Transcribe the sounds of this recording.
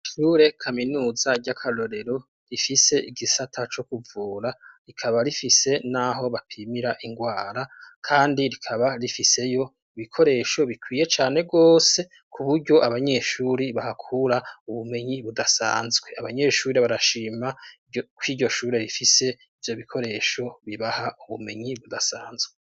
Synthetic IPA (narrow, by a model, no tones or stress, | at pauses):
ʃuːɾe̞kʰaminuːzaɟakʰalo̞ɾe̞ɾo̞ | ɾifise̞ʔiɡisatʰat͡ʃo̞kuvuːɾaɾikʰaβaɾifise̞naɦo̞βapʰimiɾaʔiŋɡwaːɾakʰaːndiɾikʰaβaɾifise̞jo̞ | iβikʰo̞ɾe̞ːʃo̞βikwiːje̞t͡ʃaːne̞ɡo̞ːse̞ | kʰuβuɾɟo̞ʔaβaɲe̞ʃuːɾiβahakʰuɾauβume̞ɲiβudasa̰ːnzɡwe̞aβaɲe̞ːʃuːɾeβaɾaʃiːma | kwiːɟo̞ʃuːɾe̞ɾifise̞ | ivjo̞βikʰo̞ɾe̞ːʃo̞βiβahauβume̞ɲiβudasaːnzɡwe